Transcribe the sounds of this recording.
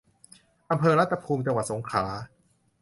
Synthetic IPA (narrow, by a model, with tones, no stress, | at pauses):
ʔa˧mpʰɤː˧ɾa˦˥t̪ʰːa˧pʰuː˧mt͡ɕa˧ŋwa˨˩t̪̚so˩˦ŋkʰaː˩˦